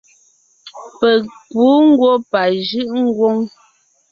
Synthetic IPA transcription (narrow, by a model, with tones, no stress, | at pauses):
pɛ˨puː˨˦ŋ̩˦ɡwo˦pa˨ʒɯ˦ʔŋ̩˦ɡwo˦ŋ